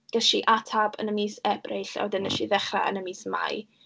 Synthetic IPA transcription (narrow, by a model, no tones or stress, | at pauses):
ɡ̥əʃiʔatʰabə̰nəmiːsɛbrejɬɔ̰dənəʃiðɛχra̰ə̰nəmiːsma̰j